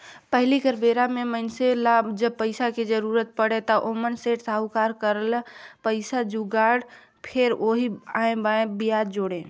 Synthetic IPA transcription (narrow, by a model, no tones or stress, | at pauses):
pəɦlikəɾbeɾamemənselad͡ʒəb̚pəɪsaked͡ʒəɾuɾət̪̚pəɽet̪ɔʔomənseʈsaukaɾkəɾəlpəɪsad͡ʒuɡaɽ | pʰeɾoɦiaẽbaẽbijad̪d͡ʒoːɽe